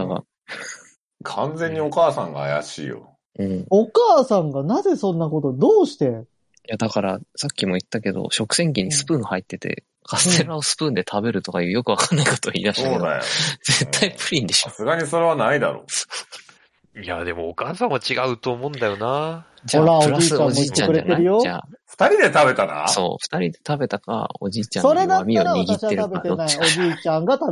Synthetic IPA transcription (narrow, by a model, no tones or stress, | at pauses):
d̪aka̰ | kʰãnd͡zẽ̞ɲ̟ːio̞kaːsã̰ŋɡa̰ːja̰ɕḭːjo̰ | ɯ̟̃ɴokaːsãŋɡanaze̞sõ̞nːako̞t̪o̞d̪oːɕi̥t̪e̞ | jad̪akaɾasakʲːimo̞it̪ːake̞d̪o̞̰ɕo̞kɯ̟̥sẽ̞ŋk̬ʲiɲ̟isɨ̥pɯ̟̃hait̪ːe̞t̪e̞̰ | kʰasɨ̥t̪e̞ɾɯɾaosɨ̥pɯ̟̃ːnd̪e̞t̪ʰabe̞ɾɯ̟t̪o̞kajɯ̟ːjo̞kɯβ̞akanːaiko̥t̪oḭːɾaɕit̪od̪a̰jo̰z̥e̞t̪ʰːaipɯ̟ɾʲĩnd̪eɕoasɨɡaɲiso̞ɾeβanaid̪a̰ɾo̰ːo̥ | ia̰d̪e̞mo̞ːkaːsãɰ̃at͡ɕiɡaɯ̟t̪oːmõnd̪ajo̞na | d͡ʑaoɾapoɯ̟ɾaiːsɨãod͡ʑiiːt͡ɕ̪ːãɲɯɾea̰t̪eaɾɯjoa̰ːɸɯ̥t̪aɾʲid̪e̞t̪abe̞t̪ana̰so̞̰ːɸɯ̥t̪aɾʲid̪e̞t̪abe̞t̪aka̰o̞̰d͡ʑiːt͡ɕãnoɾed̪amʲioiɡitːeɾɯaeaoːiaiːt͡ɕãŋɡat̪a